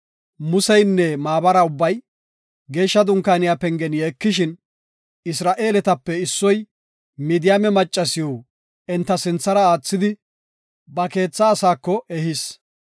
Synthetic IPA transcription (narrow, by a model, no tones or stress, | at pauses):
mʊsɛjnːɛmaːbɐɾɐʊbːɐj | ɡe̞ːʃːɐd̪ʊŋkːaːnɪjapɛŋɡɛnjeːkːɪʃɪn | ɪsɾaːʔe̞ːlɛt̪ɐpːɛɪsːɔj | miːd̪ɪjamɛmɐt͡ʃʼːɐsɪjoː | ɛnt̪ːɐsɪnt͡sːɐɾɐaːt͡sːɪd̪ɪ | bɐke̞ːt͡sːɐːsaːkːɔʔɛhɪs